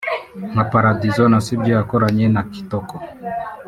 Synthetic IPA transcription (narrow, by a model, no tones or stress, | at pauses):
mapaɾadizɔnasibɔjakɔɾaɲɛnaki̥tɔkɔ